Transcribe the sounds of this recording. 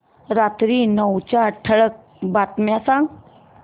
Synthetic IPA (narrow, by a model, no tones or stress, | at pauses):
ɾat̪ɾiːnəwt͡ɕaʈʰəɭək̚ | bat̪mjasãŋɡ